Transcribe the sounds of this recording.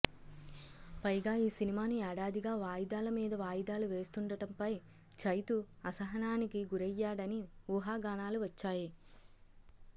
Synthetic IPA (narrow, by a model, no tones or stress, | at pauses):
pɐjɡaːiːsinimaːniɛːɽaːd̪iɡaːʋaːjid̪aːlɐmiːd̪ɐʋaːjd̪aːluʋe̞ːst̪uɳɖɐɽɐmpɐj | t͡ʃɐjt̪u | ɐsɐɦɐnaːnikiɡuɾɛjːaːɽɐniuːɦaːɡaːɳaːluʋɐt͡ʃːaːji